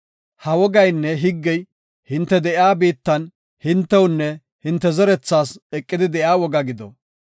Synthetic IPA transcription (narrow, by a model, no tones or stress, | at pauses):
hɐwɔɡɐjnːɛɦɪɡːɛj | hɪnt̪ːɛd̪ɛʔjaːbiːt̪ːɐn | hɪnt̪ːɛwʊnːɛ | hɪnt̪ːɛzɛɾɛt͡sːaːsɛkʼːɪd̪ɪd̪ɛʔjaːwɔɡɐɡɪd̪ɔ̰